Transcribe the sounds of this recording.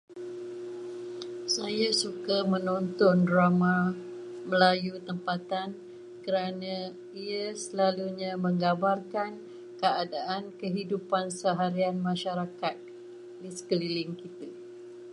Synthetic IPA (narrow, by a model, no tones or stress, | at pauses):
sajasukamə̃nɔnt̪ɔndɾamã | məlajut̪əmpat̪an | kəɾanã | iasəlaluɲãmə̃ŋɡabarkan | kəadaʔankəɦidupansəɦaɾianmãʃaɾakat̪̚ | disə̥kəlilɪŋkit̪ə